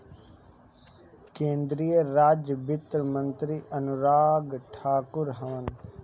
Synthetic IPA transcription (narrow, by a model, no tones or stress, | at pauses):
kẽːnd̪ɾijəɾaːd͡ʒbɪt̪ɾəmə̃nt̪ɾiʔɐnʊɾaːɡʈʰaːkʊɾɦəːən